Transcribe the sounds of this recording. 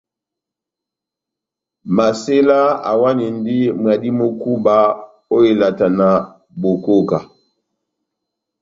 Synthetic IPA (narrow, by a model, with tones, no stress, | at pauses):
ma˨se˦la˦a̰˨wa˦ni˨ndi˦mwa˨di˦mo˦ku˦ba˦ | o˦i˨la˨ta˨na˨ | bo˨ko˦ka˨